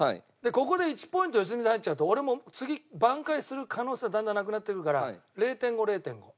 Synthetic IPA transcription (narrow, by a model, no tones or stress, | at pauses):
haḭ | d̪e̞ko̞ko̞d̪e̞it͡ɕi̥po̞ĩnt̪ojos̬ɨmʲizait͡ɕaɯ̟t̪o̞ːɾe̞mo̞t͡sɨɡʲibãŋkaisɨɾɯ̟kʰano̞ːseɡad̪ãnd̪anak̬ɯnat̪ːekɯɾɯkaɾaɾe̞ːt̪ẽ̞ŋɡo̞ɾe̞ːt̪ẽ̞ŋɡo̞